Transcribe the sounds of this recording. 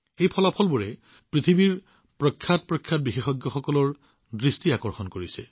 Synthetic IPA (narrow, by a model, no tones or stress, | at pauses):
ejpʰɔlapʰɔlbuɹɛ | pɹit̪ʰibiɹ | pɹɔkʰːjat̚pɹɔkʰːjat̚bixexɔɡjɔxɔkɔlɔɹ | dɹistiakɔɹxɔnkoɹisɛ